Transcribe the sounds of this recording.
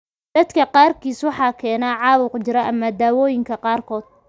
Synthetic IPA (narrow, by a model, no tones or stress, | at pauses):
d̪̥ɐd̪kʰɐqɑːrkʰiːswɑħɑːkʰɛːnaːʕɑːwʊqt͡ʃɪɾɐʔɐmɐd̪aːwɔːjɪŋkʰɐqɑːrkʰɔːd̪̥̚